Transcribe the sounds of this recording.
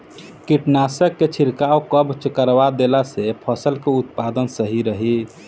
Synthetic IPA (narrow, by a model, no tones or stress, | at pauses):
kiʈnasəkːet͡ʃʰiɾkawkəbt͡ʃəkəɾbad̪elasepʰəsəlkeut̪̚pad̪ənsəɦiɾəɦi